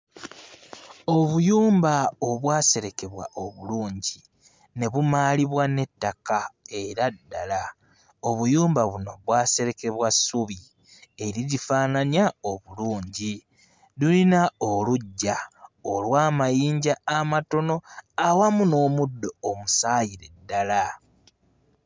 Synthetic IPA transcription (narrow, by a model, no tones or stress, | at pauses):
o̞βujuːmbaoβwaːse̞ɾe̞ke̞βwa̰ʔo̞βuluːɲɟi | ne̞βumaːliβwane̞tːakae̞ɾadːala | oβujuːmbaβuno̞βwaːse̞ɾe̞ke̞βwasuβi | e̞ɾiɾifaːnanjao̞βuluːɲɟi | lulinaoluɟːaolwaːmajiːɲɟaːmato̞no̞awamuno̞ːmudːo̞ːmusaːjiɾe̞dːala